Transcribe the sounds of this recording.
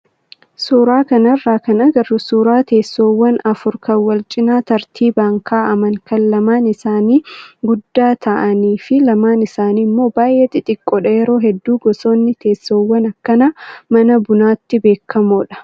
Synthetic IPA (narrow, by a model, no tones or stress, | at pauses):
suːɾaːkɐnɐrːaːkɐnɐɡɐrːʊsuːɾaːt̪e̞ːsːoːwːɐnɐfʊɾkɐwɐlt͡ʃʼɪnaːt̪ɐɾt̪ʰiːbaːŋkʰaːʔɐmɐŋkɐnlɐmaːnɪsaːniːɡʊd̪ːaːt̪ʰɐʔɐniːfɪlɐmaːnɪsaːnimːo̞ːbaːjʔɛt̪ɪt̪ʼɪkʼːɔᶑɐjɛɾo̞ːɦɛd̪ːuːɡɔsoːnːɪt̪ʰe̞ːsːoːwːɐnɐkːɐnɐmɐnɐbʊnaːt̪ːɪbe̞ːkʰːɐmoːᶑɐ̥